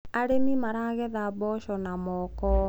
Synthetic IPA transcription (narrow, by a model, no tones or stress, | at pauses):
aɾemimaɾaɣɛðaβɔʃɔnamɔkɔ